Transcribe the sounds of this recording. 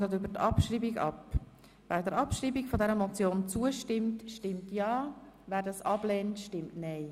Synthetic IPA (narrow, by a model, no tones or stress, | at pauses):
dətʏbətɑpʃriːbiɡɑ̰p | væːɾdəɾɑpʃɾiːbiɡfɔdɛɾəmɔt͡sjoːnt͡suəʃtɪmtʃtɪmtjɑːvæːɾdɑsɑblɛːntʃtɪmtnɛɪ